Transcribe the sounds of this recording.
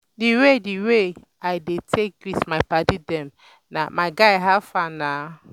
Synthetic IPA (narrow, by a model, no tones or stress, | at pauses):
diwediwe | aɪdetʰek̚witmaɪpatidɛm | na̰maɪɡaɪɦafana